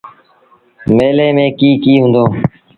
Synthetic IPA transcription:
meːleːmẽːkiːkiːɦũːnd̪oː

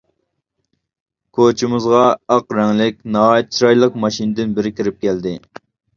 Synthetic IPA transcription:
kʰot͡ʃʰimɨzʁɑɑqɾɛŋlɪkʲnɑɦɑːjɛt̪̚t͡ʃʰiɾɑjlˠəqmɑʃinɨd̪ɪnbɪɾɪkʲiɾɪp̚kʲæld̪ɪ

